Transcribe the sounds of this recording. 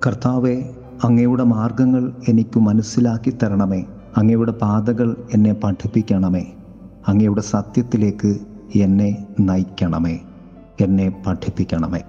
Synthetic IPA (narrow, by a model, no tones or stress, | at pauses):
kɐrt̪aːʋe̞ | ɐŋːɐjuɽe̞maːrɡɐŋːɐɭe̞nikʲːumɐnɐsːilaːkːit̪ːɐɾɐɳɐme̞ː | ɐŋːɐjuɽe̞paːd̪ɐɣɐɭe̞nːe̞pɐʈʰipːikʲːɐɳɐme̞ː | ɐŋːɐjuɽe̞sɐt̪jɐt̪ːile̞ːkːɨ | enːe̞nɐjkʲːɐɳɐme̞ | enːe̞pɐʈʰipːikʲːɐɳɐme̞̰ː